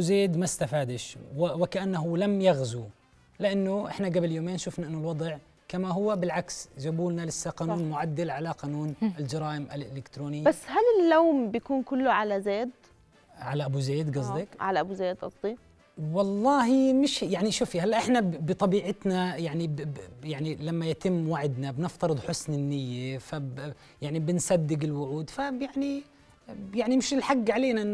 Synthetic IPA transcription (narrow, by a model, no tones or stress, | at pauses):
zeːd̪mast̪afaːd̪ɪʃwwɪkaʔanːaɦʊlamjaɣzu | lɪʔanːʊʔɪ̰ħnaɡabljoːmeːnʃʊfnaʔɪnːʊlwɑd̪ˤʕ | kamaɦʊwːabɪlʕaksd͡ʒabuːlnalɪsːaqɑːnuːnmʊʕad̪ːalʕalaqɑːnuːnɪld͡ʒɑɾˤɑːʔɪmʔalʔɪlɪkt̪ɾoːnɪjːasːhalɪlːoːmbjakuːnkʊlːʊʕalazeːd̪ | ʕalaʔabuzeːd̪ɡɑzˤd̪ɪkʕalaʔabuzeːd̪ʔɑ̰t̪ˤːiːf | wɑlˤːɑːhimɪʃjaʕniʃuːfihalːaʔɪħnabɨt̪ˤɑbiːʕɪt̪najaʕnijaʕnilamːajat̪ɪmːwaʕɪd̪nabnɪft̪ɑɾɨd̪ˤħʊsnɪnːɪjːafa | jaʕnibɪnsad̪ːɪɡɪlwʊʕuːd̪fabjaʕni | jaʕnimɪʃɪlħaɡːʕaleːnaʔɪnː